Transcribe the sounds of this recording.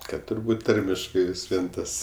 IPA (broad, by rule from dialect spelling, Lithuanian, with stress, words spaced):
ˈkɐt tʊrˈbuːt ˈtɐrʲmʲɪʃkɐɪ ʋʲɪs ˈʋʲiɛn ˈtɐs